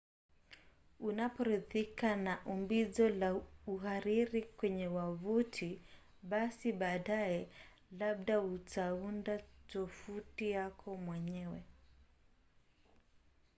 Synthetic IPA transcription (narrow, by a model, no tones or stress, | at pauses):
unapɔɾiðikanaʔumbizɔlauhaɾiɾikwɛɲɛwavutʰi | ɓasiɓaːɗaɛ | laɓ̚ɗautʰaundatɔfutijakʰɔmwɛɲɛwɛ